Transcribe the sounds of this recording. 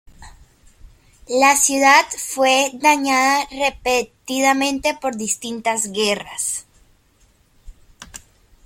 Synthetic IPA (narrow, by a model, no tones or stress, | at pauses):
lasjuðad̪fwed̪aɲaðarepet̪iðamẽ̞nt̪e̞po̞ɾðist̪int̪azɣera̰s